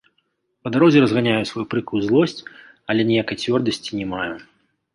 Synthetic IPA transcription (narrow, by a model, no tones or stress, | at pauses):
pɐd̪aɾɔzʲɛɾɐzɣanʲajusvajupɾɨkuuzlˠɔsʲt͡sʲ | ɐlʲɛnʲɛjakɐjt͡sʲvʲɔrd̪ɐsʲt͡sʲi̥nʲɛmaju